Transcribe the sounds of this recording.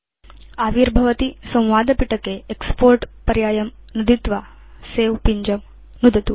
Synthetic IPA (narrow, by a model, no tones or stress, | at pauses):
aːʋiɾbʱɐʋɐt̪isɐ̃w̃ʋaːd̪ɐpiʈɐkeekspoːɾʈpɐɾjaːjɐm | nud̪it̪ʋa | seːʋpiɲd͡ʒɐm | nud̪ʱɐt̪u